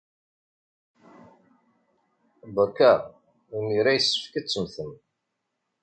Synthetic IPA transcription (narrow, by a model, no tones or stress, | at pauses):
bəkːæ | uniɾæjəsːə̥fkæt͡sːəmθən